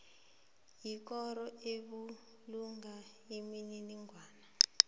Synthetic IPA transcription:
jik̬ɔɾɔeɓu | luŋa | emininiŋʱwaːna

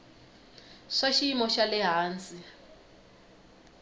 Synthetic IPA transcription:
ʂaʃiːmɔʃalɪɦaːnt͡si

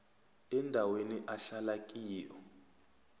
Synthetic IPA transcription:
ɛndʱaweniʔaɬalak̬ʼiːjɔ

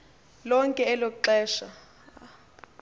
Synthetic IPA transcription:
lɔŋkʼɛːlokuǃɛːʃa

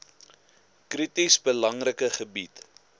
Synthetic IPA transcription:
kritisbəlɐŋrəkəχəbit

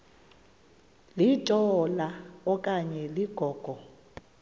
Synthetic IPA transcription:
litʼɔlaɔkʼaɲɛliɡ̥ʱɔːɡ̥ʱɔ

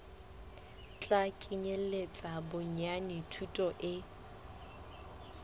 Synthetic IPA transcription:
t͡ɬʼakʼiɲel̩et͡sʼabʊɲanitʰutʼɔʔɪ

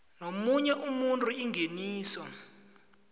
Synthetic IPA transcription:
nomuɲɛʔumuntʼuiŋɡʱeniːsɔ

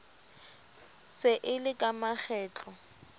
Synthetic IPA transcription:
sɪʔɪlɪkʼamak͡xʰɛːt͡ɬʼɔ

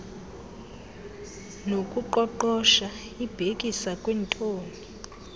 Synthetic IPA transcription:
nokʼuǃɔǃɔʃa | ib̥ʱekʼisakʼwɛntʼoːni

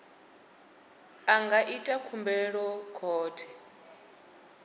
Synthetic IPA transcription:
aŋɡaʔitʼakʰumbɛɺɔkʰɔːtʰɛ̥

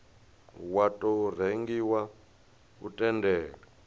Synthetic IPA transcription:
watʼɔr̤eŋɡiwa | ṵtʼɛndɛːɺa

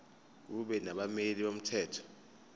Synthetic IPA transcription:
k̬uɓɛnaɓameliɓom̩tʰɛːtʰɔ̥

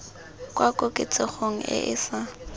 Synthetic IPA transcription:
kʼwʔakʼokʼɪt͡sʼɪχoŋ̩ɪ̰ʔɪsa

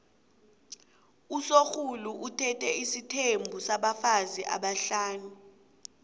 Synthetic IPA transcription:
usoxʰuluʔutʰɛtʰɛisitʰembʱusaɓafaziʔa̰ɓaɬaːnu

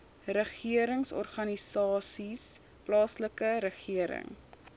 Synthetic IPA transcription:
rəχiəɾəŋsɔ̰rχɐnisɑːsis | plɑːsləkəɾəχiəɾə̰ŋ

